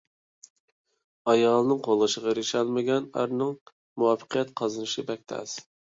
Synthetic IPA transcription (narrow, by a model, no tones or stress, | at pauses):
ɑjɑːlˠɨnɨŋqʰolˠɨʃəʁɑɾiʃɛlˠmɪɡʲɛnæ̰ɾnɪŋ | muwɑfə̥qʰijɛt̪qʰɑzɨnɨʃɪbɛk̚ʲt̪ʰɛ̰s